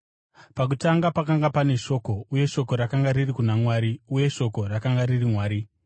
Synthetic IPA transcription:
pakutaŋɡapakaŋɡapane̞ʂo̞ko̞uje̞ʃo̞ko̞ɾakaŋɡaɾirikunamwaːɾiuje̞ʃo̞ko̞rakaŋɡaririmwaːɾi

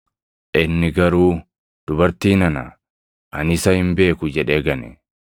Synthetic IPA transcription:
ʔɪnːɪɡɐɾuː | d̪̥ʊbɐɾt̪iːnɐnɐ̰ | ʔɐnɪsɐhɪmbe̞ːkʊd͡ʒɛᶑeːɡɐnɛ

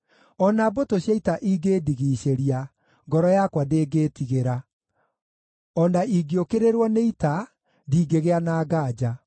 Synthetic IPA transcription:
ɔnabotoɕjaitaʔiɡeːdiɣiːɕeɾia | ŋɡɔɾɔjakwadeːɡeːtiɣeɾa | ɔnaiɡiokeɾeɾwɔneita | diːɡeɣeanaːɡaːd͡ʑa

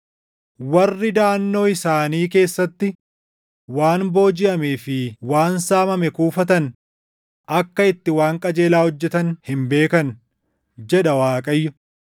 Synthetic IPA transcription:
wɐrːɪd̪aːnːo̞ːɪsaːniːke̞ːsːɐt̪ːɪ | waːnbo̞ːd͡ʒɪʔɐmeːfɪwaːnsaːmɐmɛkuːfɐt̪̬ɐn | ʔɐkːɐɪt̪ːɪwaːŋkʼɐd͡ʒe̞ːlaːhɔd͡ʒːɛt̪ɐnhɪmbe̞ːkɐn | d͡ʒɛᶑɐwaːkʼɐjːʊ

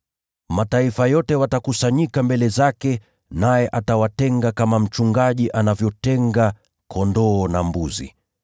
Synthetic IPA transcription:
mataifajɔtɛwatakusaɲikambɛlɛzakɛ | najɛʔatawatɛŋɡakamam̩t͡ʃuŋɡaʄiʔanavjɔtɛŋɡa | kʰɔndɔːnambuzḭ

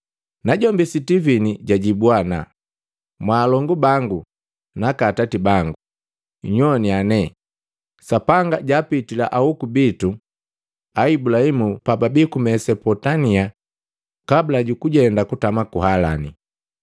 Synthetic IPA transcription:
naɟɔmbisitiviniɟaɟibwana̰ | mwaːlɔŋɡubaŋɡu | nakatatibaŋɡu | ɲɔnianɛ | sapaŋɡaɟaːpitila̰ʔahukubitu | aibulahimupababikumɛsɛpɔtania | kabilaɟukuɟɛndakutamakuhala̰nḭ

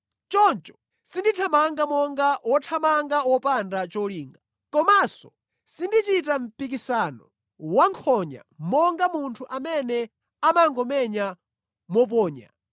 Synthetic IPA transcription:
t͡ʃɔnt͡ʃɔ̥ | sinditʰamaŋɡamɔŋɡawɔtʰamaŋɡawɔpandat͡ʃɔliːŋɡa | kɔmasɔ | sindit͡ʃitam̩pik̬isanɔ̰ | waŋkʰɔɲa̰mɔŋɡamuntʰuʔamɛnɛ | amaŋɡɔmɛɲa | mɔp̬ɔːɲa̰

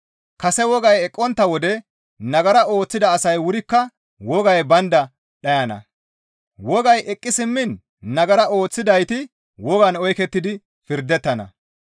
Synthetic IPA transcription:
kɐsɛwɔɡɐjɛkʼːɔnt̪ːɐwɔd̪ɛ | nɐɡɐɾɐʔo̞ːt͡sːɪd̪ɐːsɐjwʊɾɪkːɐ | wɔɡɐjbɐnd̪ɐ | ɗɐjɐnɐ̰ | wɔɡɐjʔɛkʼːɪsɪmːɪnː | ɐɡɐɾɐo̞ːt͡sːɪd̪ɐjt̪ɪ | wɔɡɐnɔjkɛt̪ːɪd̪ɪ | fɪɾd̪ɛt̪ːɐnɐ̰

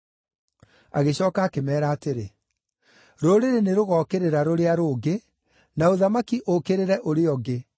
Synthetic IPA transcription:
a̰ɣeɕɔːkaːkemɛːɾaːteɾe | ɾoɾeɾeneɾoɣɔːkeɾeɾaɾoɾeaɾoːɡe | naoðamakiʔokeɾeɾɛʔoɾeɔɡe

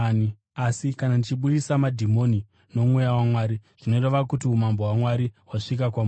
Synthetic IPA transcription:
asikanandit͡ʃiɓuɗisamadʱimo̞ni | no̞mwejawamwaːɾiʐ̥ino̞reʋakutiumambo̞ɦwamwaɾiɦwaʂik̬akwam

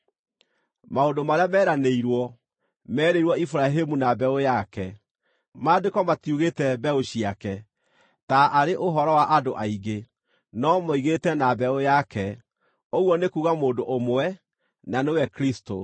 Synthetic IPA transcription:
maondomaɾeamɛːɾaneiɾwɔ | mɛːɾeiɾwɔifuɾaɦemunabɛojakɛ | madekɔmatjuɣetɛbɛoɕiakɛ | taʔaɾeʔoɦɔɾɔwaʔadoʔaiɡe | nɔmɔiɣetɛnabɛojakɛ | oɣwɔnekuːɣamoːndoʔomowɛ | nanewɛkɾisto

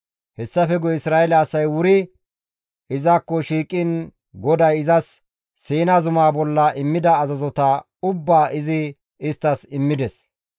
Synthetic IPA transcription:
hɛsːɐfɛɡɔɪsɾaːʔɛlɐːsɐjwʊɾɪ | ɪzaːkːɔʃiːkʼɪn | ɡɔd̪ɐjɪzɐsː | iːnaːzʊmaːbɔlːɐʔɪmːɪd̪ɐːzɐzɔt̪ɐ | ʊbːaːʔɪzɪ | ɪst̪ːɐsɪmːɪd̪ɛs

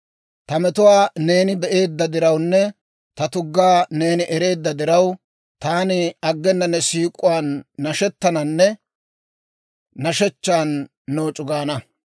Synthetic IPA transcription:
t̪ɐmɛt̪ʊwaːne̞ːnɪbɛʔe̞ːd̪ːɐd̪ɪɾɐwnːɛ | t̪ɐt̪ʊɡːaːne̞ːnɪʔɛɾe̞ːd̪ːɐd̪ɪɾɐw | t̪aːnɪɐɡːɛnːɐnːɛsiːkʼʊwaːnːɐʃɛt̪ːɐnɐnːɛ | nɐʃɛt͡ʃːaːnː | o̞ːt͡ʃʼʊɡaːnɐ

